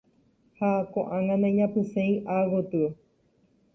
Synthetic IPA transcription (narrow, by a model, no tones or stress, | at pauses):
hakõʔãŋãnãĩɲãpɨ̃sẽĩʔawot̪ɨ